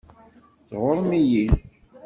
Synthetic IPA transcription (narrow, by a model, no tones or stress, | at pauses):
θʁoɾˤmijin